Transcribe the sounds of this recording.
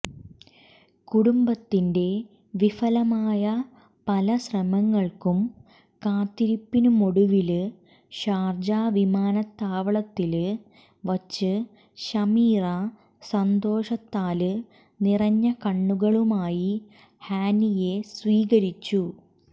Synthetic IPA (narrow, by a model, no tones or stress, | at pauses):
kuɽumbɐt̪ːinde̞ | ʋifɐlɐmaːjɐ | pɐlɐɕrɐmɐŋːɐɭkum | kaːt̪ːiɾipːinumo̞ɽuʋilɨ | ɕaːrd͡ʑaːʋimaːnɐt̪ːaːʋɐɭɐt̪ːil | ʋɐt͡ɕːɨ | ɕɐmiːrɐ | sɐnd̪o̞ːʂɐt̪ːaːlɨ | nirɐɲːɐkɐɳːuɣɐɭumaːji | haːnije̞sʋiːɣɐɾit͡ɕːu